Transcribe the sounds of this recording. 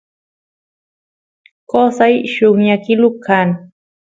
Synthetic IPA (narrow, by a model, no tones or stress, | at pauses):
kosajʃʊŋɲakɪlʊkʰːaŋ